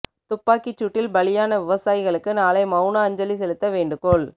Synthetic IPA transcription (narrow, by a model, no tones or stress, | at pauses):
t̪ʊpːaːkɪt͡ʃːʊʈːɪlbɐɭɪjaːnɐʋɪʋɐsaːjɪɣɐɭɯkːɯnaːlɐɪmɐʊnaɐɲd͡ʒɐlisɛlɯt̪ːɐʋeːɳɖɯkoːɭ